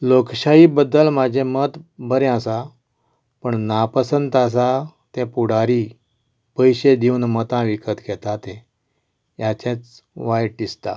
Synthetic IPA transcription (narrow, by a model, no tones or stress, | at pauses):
lokɕaibəd̪ːəlmad͡ʑʱẽmət̪bəɾẽasa | pəɳnapəsənt̪əs̬a | t̪ɛ̃puɽaɾi | pəjɕed̪iunmət̪ãʋikət̪ɡɛt̪at̪ẽ | jat͡ɕɛ̃t͡sʋajʈːist̪a̰